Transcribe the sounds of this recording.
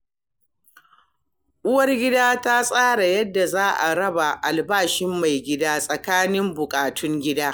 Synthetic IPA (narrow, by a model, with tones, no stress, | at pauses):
ʔʊ˦wɐ˦rɡʲɪ˦daː˦ta˦sʼaː˦ɽa˨jɐ˦dːa˨zaː˦ʔa˨ɽɐ˦ba˨ʔa˨lbaː˦ʃɪ˦mːa˨jɡʲɪ˦daː˦sʼɐ˨kaː˦nɪ˦mbʊ˨kʼaː˨tʰʊ˦ŋɡʲɪ˦daː˦